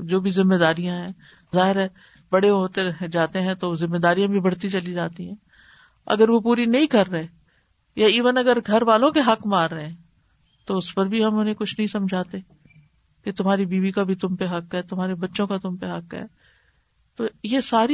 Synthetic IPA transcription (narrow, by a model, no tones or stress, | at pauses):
d͡ʒoːbʱizɪmːed̪aːɾijãɦɛ̃ | zaːɦɪɾɛ | bɐɽeɦoːt̪ed͡ʒaːt̪eɦɛ̃t̪ozɪmːed̪aːɾijãbʱibɐɽ̤t̪it͡ʃɐlid͡ʒaːt̪iɦɛ̃ː | ɐ̰ɡəɾʋopuːɾinɐɦĩkɐɾːɐɦeː | jaiːʋənɐɡəɾɡʱɐɾʋaːlõkeɦɐkmaːɾːɐɦẽ | t̪oʊspɐɾbʱiɦɐmʊn̤ẽkʊt͡ʃʰnɐɦĩsɐ̃md͡ʒʱaːt̪e | ket̪ʊmɦaːɾibiːʋikabʱit̪ʊmpeɦɐkɦɛt̪ʊmɦaːɾebɐtːʃõkat̪ʊmpeɦɐkɦɛ̰ː | t̪oːjesaːɾi